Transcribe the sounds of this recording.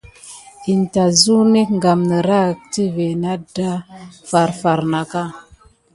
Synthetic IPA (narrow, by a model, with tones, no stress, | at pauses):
i˨nta˨zu˦ni˦kŋɡa˨mnə˨ɾa˦˨kti˦ve˨na˦da˦fa˨ɾfa˨ɾna˨ka˦˨